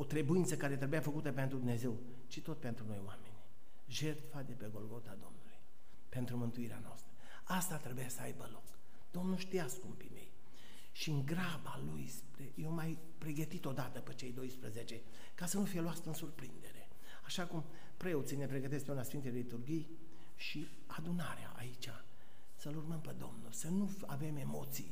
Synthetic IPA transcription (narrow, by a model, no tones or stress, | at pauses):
o̞t̪ɾe̞buint̪səkaɾet̪ɾe̞bujafəkut̪əp̬e̞nt̪ɾud̪umneze̞w | t͡ʃit̪o̞t̪pent̪ɾuno̞joamenʲi | ʒe̞rt̪fad̪e̞pe̞ɡo̞lɡo̞t̪ad̪o̞̰mnuluj | pe̞nt̪ɾumɨnt̪uiɾea̰noa̰st̪ɾə | ast̪at̪ɾe̞bujasəa̰jbəlo̞k | d̪̥o̞mnuʃt̪ijaskumpimḛj | ʃiɨŋɡɾabalujspɾejewmaj | pɾe̞ɡət̪it̪o̞d̪at̪əpet͡ʃe̞jd̪o̞jspɾəzet͡ʃe̞ | kasənufijeloast̪əɨnsurpɾḭnd̪e̞ɾe̞ | aʃakum | pɾe̞ot̪sine̞pɾe̞ɡət̪eskpeunasfint̪ejlit̪urɡij | ʃi | ad̪unaɾea̰ʔa̰it͡ʃa | səlurməmped̪o̞̰mnulsənu | a̰ve̞me̞mo̞t̪sḭj